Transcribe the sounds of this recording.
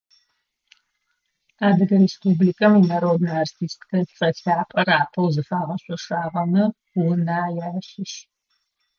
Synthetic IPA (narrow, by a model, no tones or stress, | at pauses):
aːdɨɡɐɾespublikʼɐminɐɾowdnaːrtʰiːstkʰɐt͡sʼɐɬaːpʼɐɾaːpʰɐwzɨfaːʁɐɕʷʼɔʂaːʁɐnɐ | wnaːjaːɕɪʃ